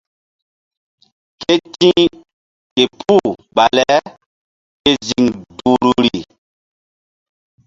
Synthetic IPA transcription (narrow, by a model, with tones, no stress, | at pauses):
ke˦tĩ˦ | ke˨pʰu˦˨ɓa˨lɛ˨˦ | ke˦zi˨ŋduː˨ɾu˦ɾi˨